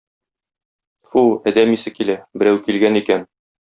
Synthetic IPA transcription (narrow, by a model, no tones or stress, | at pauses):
fuæd̪æmisɘkilæbɘ̆ɾæwkilɡænikæn